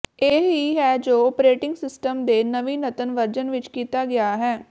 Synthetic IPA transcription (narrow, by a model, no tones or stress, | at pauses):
eːɦiɦɛːd͡ʒoːpɾeːʈɪŋɡsɪsʈəmd̪eːnəʋiːnət̪ənʋəɾd͡ʒənʋɪt͡ʃkiːt̪aːɡɪaːɦɛː